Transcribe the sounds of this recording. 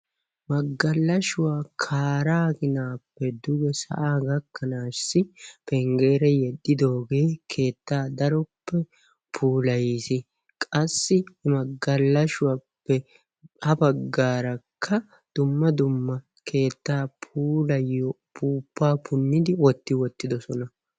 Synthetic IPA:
mɐɡːɐlːɐʃʊwaːkʰaːɾaːɡɪnaːpːɛd̪ʊɡɛsɐ̰ʔaːɡɐkːɐnaːsːɪpɛŋɡe̞ːɾɛjɛd̪ːɪd̪o̞ːɡe̞ːkʰe̞ːt̪ːaːd̪ɐɾɔpːɛ | pʰuːlɐjisɪ | kʼɐsːɪhɪmɐɡːɐlːɐʃʊwapːɛ | hɐbɐɡːaːɾɐkʰːɐ | d̪̥ʊmːɐd̪ʊmːɐ | kʰe̞ːt̪ːaːpʰuːlɐjːɔ | pʰuːpːaːpʰʊnːɪd̪ɪwɔt̪ːɪwɔt̪ːɪd̪ɔsɔnɐ

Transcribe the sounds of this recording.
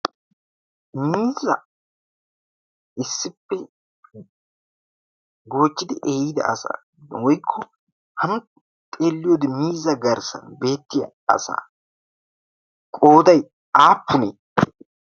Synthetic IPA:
miːzɐ | ɪsːɪpːɛ | ɡo̞ːt͡ʃːɪd̪ɪʔeːjɪd̪ɐ̰ʔɐsa̰ː | d̪wɔjkʰːɔ | hɐnʊ | t̪ʼeːlːɪjod̪ɪmiːzɐɡɐɾsɐ̰nbe̞ːt̪ːɪjɐ | ɐ̰sa̰ː | kʼo̞ːd̪ɐj | aːpːʊneː

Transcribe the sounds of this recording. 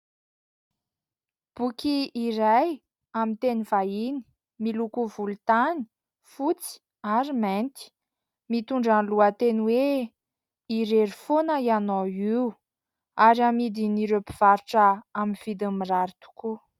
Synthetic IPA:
b̥ukiːɾaj | amint̪enivaini̥ | milukuvulut̪ani̥ | fut͡si̥ | aɾiment̪i̥ | mit̪uɳɖ͡ʐanluət̪enwe | iɾeɾifonəianoiu | aɾiamid̪iniɾepiv̥aɾuʈ͡ʂəaminv̥id̪amiraɾit̪u̥ku

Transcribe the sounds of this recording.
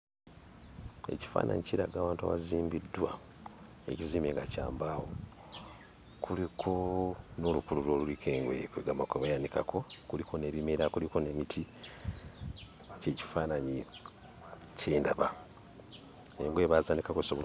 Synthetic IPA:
e̞̰ci̥fa̰ːnʔa̰ɲiciɾa̰ɡaːwaːntua̰βaziːmbidːwa̰ | e̞̰ciziːmeːŋɡaca̰ːmbaːwo | kulikʰo̞no̞lukululwo̞ːlulikʰe̞ːŋɡwḛkweɡamakeβajanikakʰo̞kuliko̞ne̞ːβimeɾakuliko̞ne̞mitʰi | ce̞ːci̥faːnaɲi | ceːndaβa | eŋɡwe̞ːβazaːnikakosoβol

